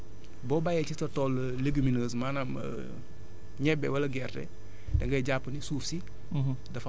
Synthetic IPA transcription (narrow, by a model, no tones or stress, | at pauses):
boːbajet͡ʃitɐtol | leɡiminəːs̬manam̰ | ɲɛbewɐlɐɡertḛ | deŋɡɐɟapːənisuːfsi | dɐfa